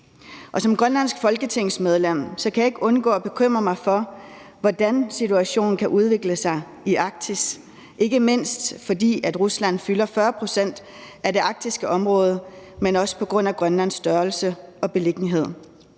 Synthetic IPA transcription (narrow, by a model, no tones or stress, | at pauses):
ʔɒ̽sɒ̽mɡ̥ʁɶnlæn̰sɡ̥fɒ̽lɡ̥ət͡sʰe̝ŋ̰smeð̞ˠlem̰sɒ̽kʰæjɑ̈e̝ɡ̥ɔ̽nɡ̥ɔ̰ːɒb̥e̝kʰøm̰ʁɐmɑ̈ɪfɒ̽ | ʋɒd̥ænsit͡sʰuæɕo̝̰ːn̩kʰæʔuð̞ˠʋe̝ɡ̥ləsɑ̈ɪ | iɑ̈ɡ̥̚d̥ʰis | ʔe̝ɡ̥əme̝n̰sd̥fɒ̽d̥ḭːæd̥ʁuslæn̰fylɐfɶːɐpʰʁo̝sen̰d̥ | æde̝ʔɑ̈ɡ̥̚d̥isɡ̥əʔɒ̽mʁɔ̽ːð̞ˠəmenɒ̽sə̥pʰɒ̽ɡ̥ʁɔ̽n̰æɡ̥ʁɶnlæn̰sd̥ɶɐlsəɒ̽b̥e̝le̝ɡ̥niɦe̝ð̞̰ˠ